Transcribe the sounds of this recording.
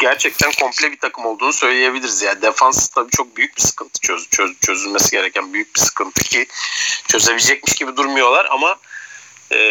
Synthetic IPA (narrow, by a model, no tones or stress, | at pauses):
ɟæɾt͡ʃʰɛc̚t̪ʰænkʰo̞mplʲɛbit̪ʰakʰɯmo̞lˠd̪uːnusø̞jlʲeje̞bilʲiɾizjanid̪efanst̪ʰabiːt͡ʃʰo̞k̚byjyc̚bisɯ̥kɯnt̪ʰɯ̥t͡ʃʰøt͡ʃʰøt͡ʃʰø̞zylʲme̞siɟe̞ɾɛcʰænbyjyc̚bisɯ̥kʰɯnt̪ʰɯ̥cʰit͡ʃʰø̞ze̞bid͡ʒɛc̚miʃɟibid̪uɾmujo̞lˠaɾa̰ma | ɛː